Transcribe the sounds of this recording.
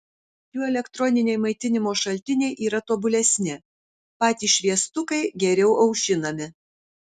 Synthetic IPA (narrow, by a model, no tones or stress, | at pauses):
juːɛlʲɛkt̪ɾɔnʲɪnʲɛɪmɐɪt̪ʲɪnʲɪmoːʃɐlʲt̪ʲɪnʲɛɪʔiːɾɐt̪oːbʊlʲɛsʲnʲɪ | pɑːt̪ʲiːʃʲʋʲiɛst̪ʊkɐɪɡʲɛɾʲɛʊʔɐʊʃʲɪnɐmʲɪ